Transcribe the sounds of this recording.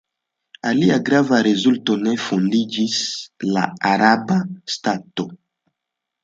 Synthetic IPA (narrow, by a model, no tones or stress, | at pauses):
aliaɡɾavaɾezulto̞ne̞fondid͡ʒisla̰aɾabastato̞